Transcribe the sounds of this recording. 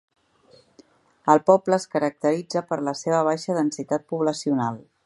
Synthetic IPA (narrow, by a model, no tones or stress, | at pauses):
əlˠpɔbləːskəɾək̚t̪əɾid͡zəpəɾləseβ̞əβ̞ajʃəðənsit̪at̪̚puβləsiunalˠ